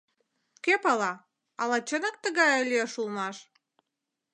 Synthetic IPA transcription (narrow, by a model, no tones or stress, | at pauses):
kepɑlɑ | ɑlɑt͡ɕənək̚t̪əɣɑjəlʲieʃulˠnɑʃ